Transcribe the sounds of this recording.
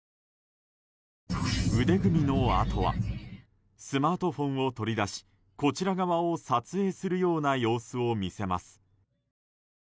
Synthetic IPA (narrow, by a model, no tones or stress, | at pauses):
ɯ̟d̪e̞ɡɯ̟mʲino̞a̰t̪ʰo̞βa̰ | sɨmaːt̪o̞ɸõ̞ɰ̃o̞t̪o̞ɾʲid̪aɕi̥ | ko̞t͡ɕiɾaɡaβaosat͡sɨe̞ːsɨɾɯ̟jo̞ːnajo̞ːsɨo̞mʲise̞ma̰sɨ̥